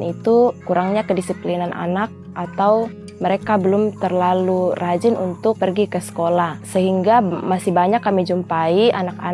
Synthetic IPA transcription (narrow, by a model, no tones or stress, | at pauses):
nit̪ukuɾaŋɲakədisiplinanʔa̰nak̚ʔat̪aw | məɾekabəlʊmt̪ərlalurad͡ʒɪnṵnt̪ʊk̚pərɡikəsə̥kolahsəɦiŋɡamasɪhbaɲakːamid͡ʒumpaiʔanaka